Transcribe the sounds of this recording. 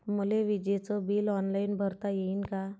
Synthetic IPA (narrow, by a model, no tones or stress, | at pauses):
muleʋid͡ʑet͡sɔbiːlɔnlainbʱəɾt̪ajeinka